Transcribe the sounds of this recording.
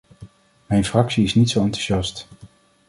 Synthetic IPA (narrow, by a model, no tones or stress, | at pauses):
mɛjnfrɑksiɪsnitsowɑntu̥ʒɑst